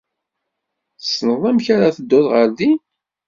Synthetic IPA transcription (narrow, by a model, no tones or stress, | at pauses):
θəsnəðˤæmçaɾaθəd̪ːʊðʁəɾði